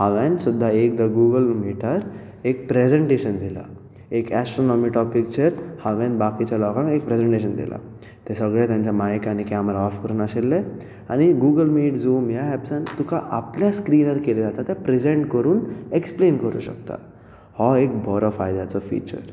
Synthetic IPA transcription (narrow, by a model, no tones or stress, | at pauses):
haʋɛ̃nsud̪ʱːaek̚d̪əɡuɡəlmiʈəɾ | ek̚pɾed͡zẽɳʈeɕənd̪ila̰ | ekæsʈɾonɔmiʈɔpik̚t͡ɕəɾhaʋɛ̃nbakit͡ɕalɔkãŋek̚pɾed͡zẽɳʈeɕənd̪ḭla̰ | t̪ɛ̃səɡɭɛt̪jãɲt͡ɕjamajkanikɛməɾaɔfkəɾuːnaɕelːe | aɽ̃iɡuːɡəlmiːʈzuːmjaɦɛpsãnt̪ukaʔapljaskɾiːnəɾkeled͡zat̪at̪ɛpɾezẽɳʈkəɾuːnekspleːnkəɾṵɕə̰kt̪a̰ | hɔek̚bʱɔɾɔfajd̪jat͡sɔfḭːt͡ɕə̰ɾ